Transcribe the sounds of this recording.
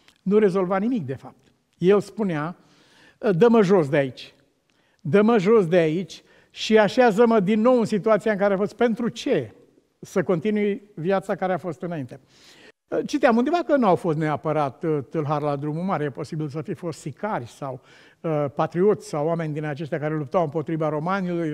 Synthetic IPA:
nuɾe̞zo̞lvanimik̚d̪e̞fap̚t̪ | je̞lspunea | d̪əməʒo̞s̬d̪eait͡ʃʲ | d̪əməʒo̞sd̪eait͡ʃʲ | ʃiaʃeazəməd̪inːo̞wɨnsit̪uat̪siaɨŋk̬aɾeafo̞st̪̚pe̞nt̪ɾut͡ʃe̞ | səko̞nt̪inujvjat̪sakaɾeafo̞st̪ɨnaint̪e̞ | t͡ʃit̪eamund̪evakənuawfo̞st̪neapəɾat̪t̪ɨlɦarlad̪ɾumumaɾjepo̞sibils̬əfifo̞st̪sikarʲsaw | əpat̪ɾio̞t̪sʲsawːame̞nʲd̪inat͡ʃe̞ʃt̪ʲakaɾe̞lup̚t̪awɨmpo̞t̪ɾivaɾo̞maniloj

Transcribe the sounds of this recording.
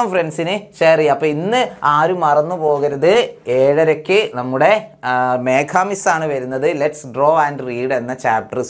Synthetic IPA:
ɐmfrensinɨɕeːriɐpːɐːinːɨaːɾumɐrɐnːupo̞ːɣɐɾɐðɨeːɻɐɾɐkʲːɨnɐmːuɽe̞meːkʰaːmisaːɳɨʋɐɾunːɐðɨleʈsɖro̞ːɐɳɖriːɽe̞nːɐt͡ɕaːp̚ʈɐrs

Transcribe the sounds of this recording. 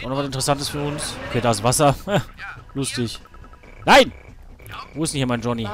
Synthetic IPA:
ʔaʊnɔvas̬ɪntəʁəsantəsfyːɐʊnsʔokʰeːdaːɪsvasɐalʊstɪç | naɪn | voːɪstnçiːɐmaɪnd͡ʒɔni

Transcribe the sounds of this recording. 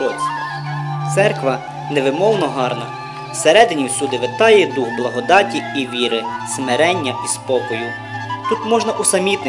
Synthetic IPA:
ɔsʲ | t̪sɛrkʋɐ | neʋɪmɔlnɔɦɑrnɐ | wseɾɛd̪ɪnʲiwsʲud̪ɪʋɪt̪ɑjɛd̪uɣblˠɐɦɔd̪ɑtʲiiʋʲiɾɪsmeɾɛnʲːɐʔispɔkɔjʊ | t̪ut̪mɔʒnɐʔusɐmʲit̪nɪ

